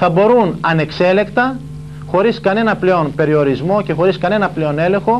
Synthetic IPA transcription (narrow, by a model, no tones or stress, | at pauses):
θɐbo̞ɾunɐne̞kse̞le̞kt̪ɐ | xo̞ɾiskɐne̞nɐple̞o̞npe̞ɾio̞ɾizmo̞ce̞xo̞ɾiskɐne̞nɐple̞o̞ne̞lẽ̞xo̞